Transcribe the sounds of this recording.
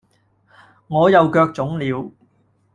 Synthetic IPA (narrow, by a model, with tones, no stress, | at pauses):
ŋɔː˨˧jɐ˨˧wkœː˧k̚t͡sʊ˨˥ŋliː˨˧w